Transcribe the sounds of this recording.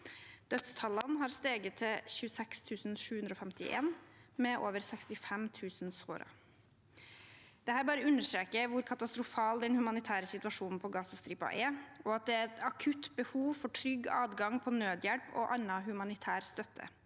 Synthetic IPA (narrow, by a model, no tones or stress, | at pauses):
d̪̥œt̪st̪ʰɑlɑnɦɑːɾst̪eːɡət̪ʰːɪlçʉːsɛkst̪ʰʉːsn̩ʂʉːʉnd̪ɾɔːfɛmt̪ɪʔḛːnmɛʔo̰ːʋəɾsɛkst̪ɪfɛmt̪ʰʉːsnso̰ːɾɑ̰ | d̪̥ɛhæːɾbɑːɾəʉnːəʂt̪ɾeːkəʋʊɾkʰɑt̪ɑst̪ɾʊfɑːld̪ɛnhʉmɑnɪt̪ʰæːɾəsɪt̪ʉɑʂuːnn̩pʰɔɡɑːsɑst̪ɾiːpɑ̰ʔɛʔɔɑt̪̚d̪ɛɛt̪ɑkʰʉt̪ːbəhuːʋfɔʈʰɾʏɡɑːd̪ɡɑŋpʰɔnøːd̪jɛɽpʰɔ̰ʔɑnːɑɦʉmɑnɪt̪ʰæːɾst̪œt̪ʰːə̰